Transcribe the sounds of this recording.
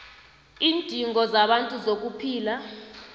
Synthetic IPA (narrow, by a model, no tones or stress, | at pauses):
iːndʼʱiŋɔzaɓantʼuzok̬upʰiːla